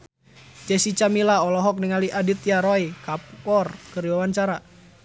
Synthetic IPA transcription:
d͡ʒɛsit͡ʃamilaɔlɔɦɔk̚niŋaliʔadit̪jaɾoikap̚kɔrkɨɾiwawaɲt͡ʃaɾa

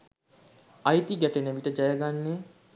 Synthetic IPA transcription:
ajt̪iɡæʈenæʋiʈəd͡ʒajəɡanːe

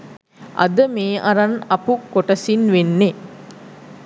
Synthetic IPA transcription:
ʔɐ̰d̪əmeːʔɐɾanɐpukoʈəsinʋenːe

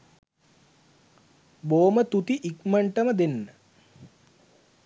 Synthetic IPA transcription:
boːmət̪ut̪iʔikməɳʈəməd̪enːə

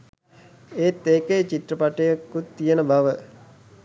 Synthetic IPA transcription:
eːt̪ːeːkeːt͡ʃit̪ɾəpaʈəjakːut̪ːijənəbaʋə

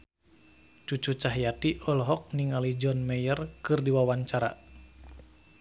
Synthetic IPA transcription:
t͡ʃut͡ʃut͡ʃaɦjat̪iʔɔlɔɦɔk̚niŋalid͡ʒɔnmɛjərkɨrdiwawaɲt͡ʃaɾa̰

